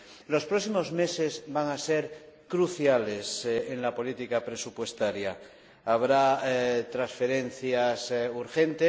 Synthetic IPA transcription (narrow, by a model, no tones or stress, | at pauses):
lo̞spɾosimo̞zme̞se̞zβaŋaseɾkɾuθjale̞seŋlapo̞lit̪ikapɾe̞supwe̞st̪aɾjaː | βɾat̪ɾasfe̞ɾe̞n̟θjasuɾxẽ̞nt̪e